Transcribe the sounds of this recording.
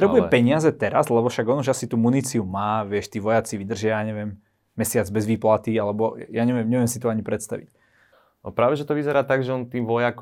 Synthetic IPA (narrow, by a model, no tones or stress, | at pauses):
t̪ɾɛbujɛpɛɲɪazɛt̪ɛɾazlɛbɔfʃaɡɔnuʒasit̪uːmunit͡siumaːʋɪɛʃt̪iːʋɔjat͡siʋid̪r̩ʒɪajaːɲɛʋɪɛmː | ɛsɪad͡zbɛzʋiːplat̪ialɛbɔjaːɲɛʋɪɛmɲɛʋɛmsit̪ɔaɲipɾɛt̪st̪a̰ʋḭc | ɔ̰pɾaːʋɛʒɛt̪ɔʋizɛɾaːt̪aɡʒɛɔnt̪iːmʋɔjak